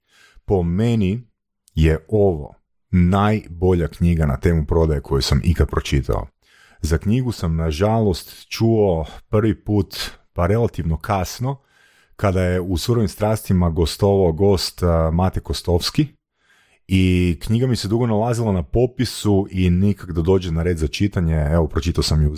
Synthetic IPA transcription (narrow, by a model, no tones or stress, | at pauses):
po̞meni | jeo̞ʋo̞̰ | najbo̞ʎakɲiɡana̰t̪e̞ːmupɾo̞d̪ajekʰo̞jusamʔḭkat̪̚pɾot͡ʃit̪ʰa̰o̰ | zakɲiɡusamnaʒalˠo̞st̪t͡ʃuopr̩ʋipuːt̪paɾe̞lˠat̪iʋno̞kʰasno̞ | kad̪ajeusuɾoʋimst̪ɾaːst̪imaɡo̞st̪o̞ʋaoɡo̞st̪mat̪ekost̪o̞fski | ikɲiɡamised̪uɡo̞nalˠazilˠanapo̞pisuʔinikakd̪ad̪o̞ːd͡ʑenaɾe̞ːd̪zat͡ʃit̪aɲeeʋo̞pɾo̞t͡ʃit̪aosamju